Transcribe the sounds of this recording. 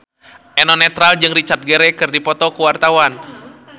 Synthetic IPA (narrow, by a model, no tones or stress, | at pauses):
ʔɛnɔnɛt̪ɾald͡ʒɨŋrit͡ʃart̪̚ɡəɾɛkɨrdipɔt̪ɔkuwart̪awan